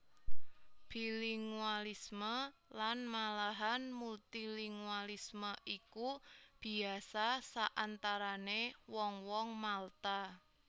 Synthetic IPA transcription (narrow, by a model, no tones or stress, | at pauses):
b̥iliŋualisməlanmalaɦanmult̪iliŋualisməʔikub̥i̤asasaʔant̪aɾanewɔŋwɔŋmalt̪a